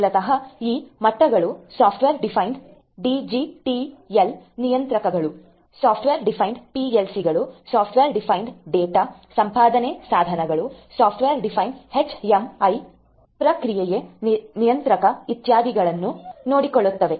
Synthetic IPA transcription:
lɐt̪ɐɦɐiːmɐʈːɐɡɐɭusaːpʰʈʋeːɾɖipʰɐjɳɖ | ɖid͡ʒiʈielnijɐnt̪ɾɐkɐɡɐɭu | saːpʰʈʋeːɾɖipʰɐjɳɖpielsiɡɐɭusaːpʰʈʋeːɾɖipʰɐjɳɖɖeːʈasɐmpaːd̪ʱɐnesaːd̪ʱɐnɐɡɐɭusaːpʰʈʋeːɾɖipʰɐjnɖhet͡ʃemɐj | pɾɐkɾijejenijɐnt̪ɾɐkɐit̪jaːd̪ʱiɡɐɭɐnːunoːɽikoɭːut̪ːɐʋe̞

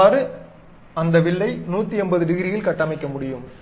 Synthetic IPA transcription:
ɾɯ | ɐnd̪ɐʋɪɭːɐɪnuːt̪ːɯɛnbɐðɯɖɪɣɪɾɪjɪlkɐʈːaːmɪkːɐmʊɽɪjɯm

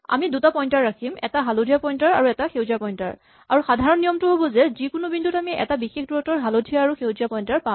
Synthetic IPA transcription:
a̰midutapɔjntaɹɹakʰimɛ̰taɦalodʱijapɔjntaɹa̰ɹuɛtaxewzapɔjnta̰ɹ | a̰ɹuxadʱaɹɔnːijɔmtʊɦobɔzɛzikʊnubindʱutamiʔɛ̰tabixexduɹɔtɔɹɦalodʱijaːɹuxewzijapɔjntaɹpa

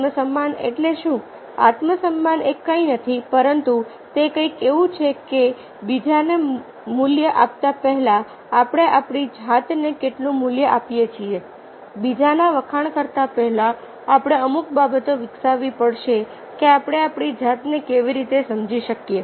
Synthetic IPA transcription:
məsəmːanḛʈleʃũ | a̰t̪məsəmːanekːəinət̪ʰipəɾənt̪u | t̪ekə̃ikeʋũt͡ʃʰeke | bid͡ʒane | mʊljəʔap̚t̪apəɦlaː | pɽ̃eʔapɽid͡ʒʱat̪nekeʈlũmʊljəʔapjet͡ʃʰie | bid͡ʒanaʋəkʰaɳkəɾt̪apɛɦɛlaː | pɽ̃eəmuk̚babət̪oʋɪksaʋipəɽʃe | keapɽ̃eapɽ̃id͡ʒʱat̪nekeʋiɾit̪esəmd͡ʒiʃəkje

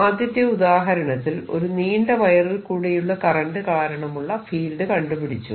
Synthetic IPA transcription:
aːd̪jɐt̪ːjɐud̪aːɦɐɾɐɳɐt̪ːilo̞ɾuniːɳɖɐʋɐjɐrilkuːɽejuɭːɐkɐrɐɳɖɨkaːɾɐɳɐmuɭːɐfiːlɖɨkɐɳɖupiɽit͡ɕːṵ

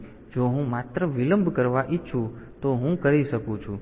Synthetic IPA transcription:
d͡ʒoɦũmat̪ɾəʋiləmbʱkəɾʋaʔɪtːʃʰũt̪oɦũkəɾiʃəkũt͡ʃʰũ

